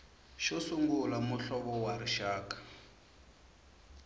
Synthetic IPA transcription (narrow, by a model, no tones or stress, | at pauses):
ʃɔsuŋɡulamuɬɔβɔwaɾiʃaːkḁ